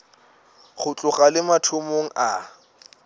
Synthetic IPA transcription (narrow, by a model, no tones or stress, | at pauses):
χʊt͡ɬʼʊχalɪmatʰʊmoŋ̩ʔa